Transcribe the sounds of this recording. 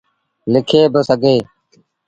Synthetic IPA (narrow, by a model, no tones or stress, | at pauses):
lɪkʰeːbəsəɡeː